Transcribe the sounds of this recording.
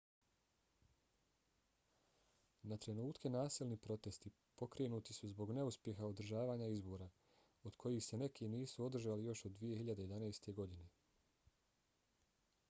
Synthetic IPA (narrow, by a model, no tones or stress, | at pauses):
nat̪ɾe̞nuːt̪kʰe̞naːsilˠnipɾo̞t̪e̞st̪i | po̞kɾe̞ːnuːt̪isuzbo̞ɡne̞uspje̞xaod̪ɾ̩ʒaːʋaːɲaizbo̞ːɾa | od̪̥kʰo̞jixse̞ne̞kʰiniːsuo̞d̪r̩ʒaːlijo̞ʃod̪dːʋije̞hiʎad̪e̞je̞d̪anajst̪e̞ɡo̞d̪ine̞